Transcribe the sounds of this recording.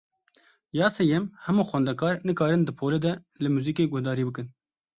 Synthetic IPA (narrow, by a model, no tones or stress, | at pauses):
jɑːsɛjɛmhɛmuːxʷwɛnd̪ɛkɑːɾnɨkɑːɾɨnd̪ɨpʰoːled̪ɛ | lɨmuːziːkeːɡʊhd̪ɑːɾiːbɨkɨn